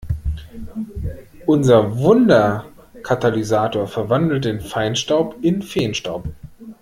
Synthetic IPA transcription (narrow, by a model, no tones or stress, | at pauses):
ʔʊnzɐvʊndɐ | kʰatalizaːtoːɐfɛɐvandl̩tdɪnfaɪnʃtaʊpɪnfeːnʃtaʊp